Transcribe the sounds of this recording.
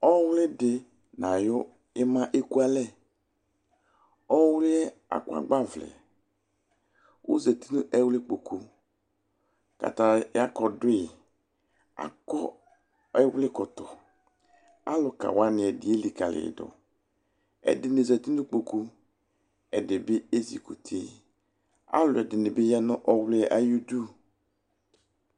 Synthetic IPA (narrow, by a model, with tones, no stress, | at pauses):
ɔ˦wlɪ˦dɪ˨ | na˨jʊ˦ | ɪ˦mã˦ʔe˦ku˦a˦lɛ˦˨ | ɔ˦wlɪ˦ɛ˦ | a̰˨kwa̰˨ɡ͡ba˦vlɛ̰˨ | wṵ˦zɛ˨ti˦nʊ˦ʔɛ˦wlɪ˦k͡po˨ku˨ | ka̰˨ta˨ja˦kɔ˨dʊ˦ɪ˨ | a̰˨kɔ˦ | ɛ˦wlɪ˦kʊ˨tɔ˨ | a̰˦lʊ˨ka̰˨wa˦nɪ˨ɛ˨dɪ˨e˦li˨ka˨lɪ̰˨dʊ̰˨ | ɛ̰˨dɪ˨nɪ˨zɛ˨ti˦nʊ˦k͡po˨ku˦ | ɛ˨dɪ˨bɪ˦e˦zḭ˨ku˨tʰe˦˨ | a̰˦lʊ˨ɛ˨dɪ˨nɪ˨bɪ˦jɛ˦nʊ˦ʔɔ˦wlɪ˦˨ʔa˨ju˦du˦